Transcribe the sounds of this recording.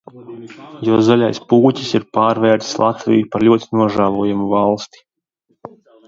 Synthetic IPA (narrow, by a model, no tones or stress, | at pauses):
jɔzɔʎʲa̰jspuːcʲi̥siɾpaːɾvɛːɾt̪i̥slˠat̪vḭjupaɾʎʲuɔt̪inuɔʒavɔjamuvalˠst̪i̥